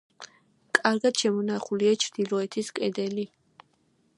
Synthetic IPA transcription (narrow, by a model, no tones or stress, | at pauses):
kʼaɾɡad̪̥ʃɛmɔnaχuliat͡ʃʰɾd̪̥ilˠɔɛt̪ʰiskʼɛd̪ɛli